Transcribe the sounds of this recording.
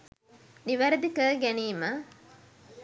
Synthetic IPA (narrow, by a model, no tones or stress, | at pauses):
niʋɐɾɐd̪ikəːɡæniːmɐ